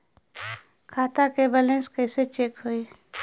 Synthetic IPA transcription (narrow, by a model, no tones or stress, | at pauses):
kʰaːt̪akebəlẽːskəɪset͡ʃeːkɦoːi